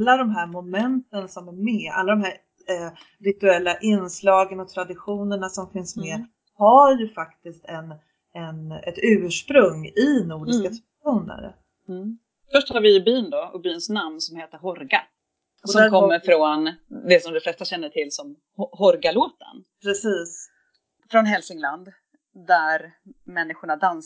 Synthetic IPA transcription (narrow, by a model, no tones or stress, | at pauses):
lːad̪ɔmɦæːɾmʊmɛnt̪ənsɔmæɾmɛa̰lːad̪ɔmɦæɾ | ɾɪt̪ɵɛlːaʔɪnslɑːɡənɔt̪ʰɾad̪ɪɧuːnəɳasɔmfɪnsmɛ | haɾjɵfakt̪ɪst̪ɛn | ɛnɛt̪ʉ̟ːʂpɾɵŋːɪnuːɖɪskasʰ | ɧuːnə̰ɾ | fœʂʈhaɾvɪɵbyːnd̪ɔʔʊ̰byːnsnamnsɔmheːt̪əɾɦɔɾɡa̰ | sɔmkʰɔmːəɾfɾɔnd̪ɛsɔmd̪ɔflɛst̪aɕɛnːəʈʰɪlːsɔm | hɔɾɡaloːt̪ə̰npʰɾɛsiːs | fɾɔnɦɛlsɪŋland̪ | d̪æɾmɛnːɪɧʊɳad̪an